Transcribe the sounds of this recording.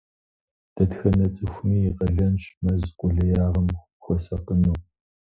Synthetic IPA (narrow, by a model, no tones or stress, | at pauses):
d̥ɐtxɐnɐt͡sʼɨxʷniːqɐɮɐnʃmɐzqʷʼʊɮɐjaːʁɐm | xʷɔsɐqənuː